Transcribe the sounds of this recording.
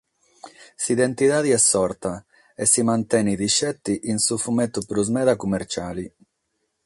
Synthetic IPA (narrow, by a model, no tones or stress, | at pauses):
siðent̪iðaːðiɛsːɔɾt̪a | esːimant̪ɛniðiʃɛt̪ːiʔinsufumɛt̪ːupɾuzmɛːðakumːɛɾt͡ʃaːli